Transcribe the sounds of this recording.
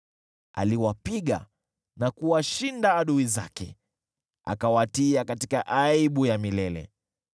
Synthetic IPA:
a̰liwapiɠa̰ | nakuwaʃindaːɗuizakɛ̰ | a̰kawatiakatikaʔaiɓujamilɛlɛ̰

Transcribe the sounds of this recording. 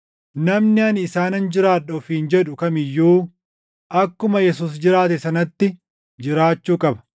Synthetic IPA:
nɐmnɪɐnɪsaːnɐnd͡ʒɪɾaːᶑɐfind͡ʒɛᶑʊkɐmɪjːuː | ʔɐkːʊmɐjɛs̬uːs̬d͡ʒɪɾaːt̪̬ɛsɐnɐt̪ːɪ | d͡ʒɪɾaːt͡ʃːuːkʼɐbɐ̥

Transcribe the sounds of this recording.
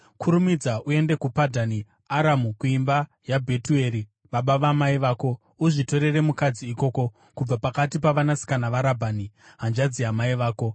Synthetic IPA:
kʰuɾumid͡zaʔue̞nde̞kupadʱani | aɾamukuimba | jabʱe̞tue̞ɾi | ʋaɓaʋamaiʋaːko̞ | uʐito̞ɾe̞re̞mukad͡ziːko̞ːko̞ | kub͡vapakatipaʋanasi̥kanaʋaɾabʱani | ɦand͡ʒad͡ziamaiʋaːko̞

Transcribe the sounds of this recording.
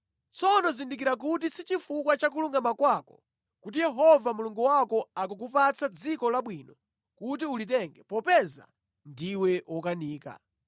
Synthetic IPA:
t͡sɔnɔzindikiɾak̬utisit͡ʃifukwat͡ʃak̬uluŋɡamakwakɔ̥ | kutijɛɦɔvamuluŋɡuwakɔakuk̬upat͡sad͡zikɔlaɓwiːnɔ | kut̬iulitɛŋɡɛpɔpɛza̰ | ndiwɛwɔkaniːka̰

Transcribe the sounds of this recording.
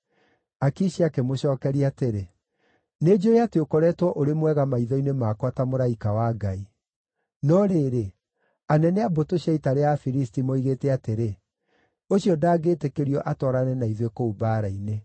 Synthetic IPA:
akiɕiakemoɕɔːkɛɾiateɾe | ned͡ʑojateokɔɾɛːtwɔʔoɾemwɛɣamaiðɔinemaːkwatamoɾaikawaɡai | nɔɾeːɾe | anɛnɛabotoɕaitaɾeafiɾistimoiɣeːtɛateɾe | oɕiɔdaːɡeːtekeɾiɔʔatɔɾanɛnaiðwekoubaːɾaine

